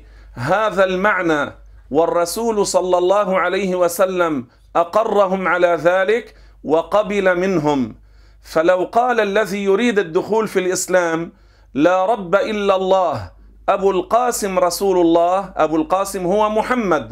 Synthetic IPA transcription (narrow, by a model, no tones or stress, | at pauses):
ɦaːðalmaʕnaː | wɑrˤːɑsuːlsˤɑlːɑlˤːɑːɦʊʕalajhɪwasalːam | ʔɑqɑrˤːɑɦʊmʕalaːðaːlɪk | wɑqɑbɪlamɪnɦʊm | falawqɑːlʔalːaðijʊɾiːd̪ad̪ːʊxuːlfilʔɪslaːm | laːɾˤɑbːaʔɪlːalˤːɑːh | ʔabuːlqɑːsɪmɾˤɑsuːlʊlˤːɑːhʔa̰buːlqɑːsɪmhʊwamʊħamːad̪